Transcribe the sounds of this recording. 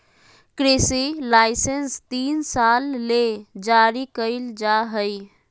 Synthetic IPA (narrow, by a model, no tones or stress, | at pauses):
kɾesilaɪsenst̪iːnsalːed͡ʒaɾikəɪld͡ʒaɦəj